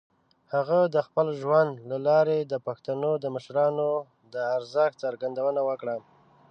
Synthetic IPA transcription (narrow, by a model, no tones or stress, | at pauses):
haɣad̪əxpəlʒwand̪lalɑɾed̪əpaxt̪anod̪əməʃɾɑno | d̪əaɾzəxt͡saɾɡand̪awənawəkɽa